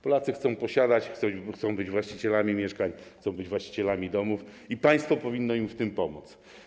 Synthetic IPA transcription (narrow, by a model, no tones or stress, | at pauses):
pɔlat̪sɘxt̪sɔ̃w̃pɔɕad̪at͡ɕxt̪sɔxt̪sɔ̃w̃bɘd͡ʑvwaɕt͡ɕit͡ɕɛlamʲimʲjɛʂkaɲxt̪ɔ̃w̃bɘd͡ʑvwaɕt͡ɕi̥t͡ɕɛlamʲid̪ɔmuf | ipaj̃st̪fɔpɔvʲinːɔimft̪ɘmpɔmut̪s